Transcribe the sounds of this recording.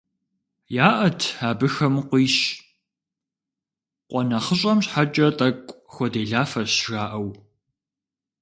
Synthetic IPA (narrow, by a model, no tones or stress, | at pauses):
jaːʔɐtʰaːbɨxɐmqʷiːɕ | qʷʼɔnɐχəɕ̬ʼɐmɕħat͡ʃʼɐtʼɐkʷʼxʷɔdeːɮaːfɐɕʒaːʔɐw